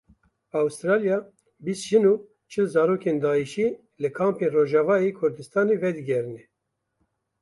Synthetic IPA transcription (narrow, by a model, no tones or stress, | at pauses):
awst̪ɾɑːlijɑ | biːst̪ʒɨnuː | t͡ʃʰɨlzɑːɾoːkʰeːnd̪ɑːiʃiː | lɨkʰɑːmpeːnroːʒɑːvɑːjekʰʊɾd̪ɨst̪ɑːneːvɛd̪ɨɡʲɛɾɨnɛ